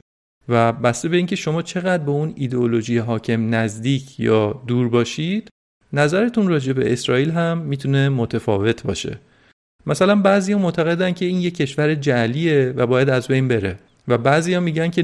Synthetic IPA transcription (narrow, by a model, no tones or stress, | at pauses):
væbæst̪e̞be̞iːncʰe̞ʃo̞mɒːt͡ʃʰe̞ɣæd̪̚beuniːd̪eolo̞ʒijeɦɒːcʰe̞mnæzd̪iːcʰjɒːd̪uːɾbɒːʃid̪̥ | næzæɾe̞t̪ʰunrɒːd͡ʒe̞be̞̰ʔesɾɒːiːlɦæmːiːt̪ʰune̞mot̪ʰefɒ̰ːve̞t̪ʰbɒ̰ːʃe̞̰ | mæsælænbæːzijɒːmoʔt̪ʰæɣe̞d̪æncʰe̞iːnjecʰːe̞ʃvæɾed͡ʒælievæbɒːjæd̪æzbe̞jnbe̞ɾe̞ | væbæziːjɒːmiːɟæncʰe̞